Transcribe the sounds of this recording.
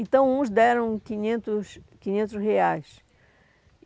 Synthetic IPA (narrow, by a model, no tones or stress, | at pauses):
ẽnt̪ɐ̃w̃ũzd̪ɛɾɐ̃w̃kĩɲẽnt̪ʊʃkĩɲẽnt̪̬ʊzheajʃ